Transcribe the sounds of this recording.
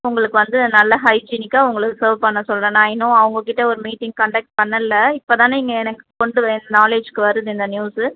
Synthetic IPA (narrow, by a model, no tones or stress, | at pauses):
ʊŋɡɐɭɯkːɯʋɐnd̪ɯnɐlːɐɦɐɪd͡ʒiːnɪkːaːʊŋɡɐɭɯkːɯsɐːɾʋpɐɳːɐsɔlɾɐnaːjɪnʊ̃ɐʋɐŋɡɐkɪʈːɐɔɾɯmiːʈːɪŋɡ̚kɐɳɖɐk̚ʈ̚pɐɳːɐlːɐɪpːoːt̪ãːnɪŋɡɐɛnɐkːɯ̥kɔɳɖɯʋɐnɐnaːleːd͡ʒkɯʋɐɾɯðɯɪnd̪ɐnjuːs